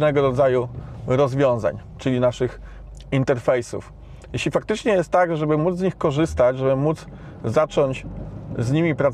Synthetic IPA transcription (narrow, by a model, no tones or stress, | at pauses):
nɛɡɔɾɔd̪zajuɾɔzvʲjɔ̃w̃za̰ɲt͡ʂɘlʲinaʂɘx | int̪ɛɾfɛjsṵf | jeɕlʲifakt̪ɘt͡ʂɲɛjɛst̪ːaɡʐɛbɘmud̪zzɲixkɔʐɘst̪at͡ɕʐɛbɘmud̪z | zat͡ʂɔɲt͡ɕzɲimʲipɾat̪